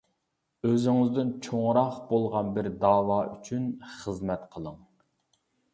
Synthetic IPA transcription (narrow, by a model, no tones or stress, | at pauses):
øzɪŋɪzd̪ɪnt͡ʃʰoŋɾɑχbolˠʁɑnbɪɾd̪ɑːwɑːyt͡ʃʰynχəzmɛt̪qʰəlˠəŋ